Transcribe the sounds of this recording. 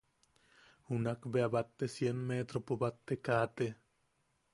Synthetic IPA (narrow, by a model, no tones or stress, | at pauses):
hunakbeabat̪ːesjenmet̪ɾopobat̪ːekaːt̪e